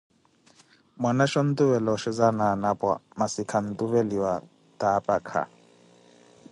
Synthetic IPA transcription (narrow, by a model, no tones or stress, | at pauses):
mwanaʃɔn̩t̪ʼuβɛlɔʃɪzananapʼwa̰masikʰan̩tʼuβeliwa | tʼaːpʼakʰa̰